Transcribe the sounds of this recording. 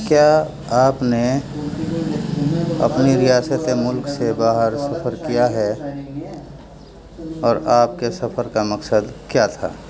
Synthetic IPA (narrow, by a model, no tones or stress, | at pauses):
kjaː | aːpne | ɐ̰pniɾɪjaːsət̪emʊlksebaːɦəɾsɐpʰəɾkijaɦɛ | ɔːɾaːp̚kesɐpʰəɾkamɐksəd̪kjat̪ʰa̰ː